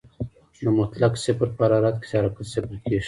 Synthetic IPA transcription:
nəmʊt̪laksɪpɾpaɾɑɾat̪̚kɪ̥sɑɾapəsɪpɾkeʃ

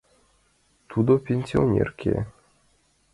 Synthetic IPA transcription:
t̪ʰud̪opʲenʲsʲionʲḛrkʰʲḛ

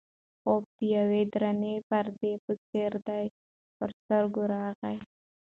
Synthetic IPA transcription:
ob̚t̪ijawed̪ɾanefaɾd̪epət͡seɾd̪aj | pəɾt̪əɾɡʊɾaːɣaj

